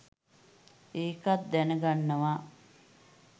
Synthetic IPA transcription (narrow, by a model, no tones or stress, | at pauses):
eːkat̪̚d̪ænəɡanːəʋa